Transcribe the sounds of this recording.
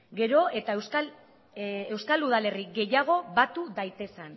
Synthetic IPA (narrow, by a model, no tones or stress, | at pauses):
ɡe̞ɾo̞e̞t̪aewskal | e̞wskaluð̞ale̞riɡe̞jaɣ̞o̞βat̪uðajt̪e̞san